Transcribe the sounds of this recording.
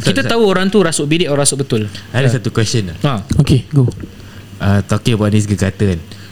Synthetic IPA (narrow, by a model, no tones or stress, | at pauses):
kit̪at̪auoɾaŋt̪uɾasʊʔbidɪʔoɾãasʊʔbət̪ʊladasat̪ukwɛsənaaokeɡo | at̪okibaʔnis̬ɡəɡat̪əan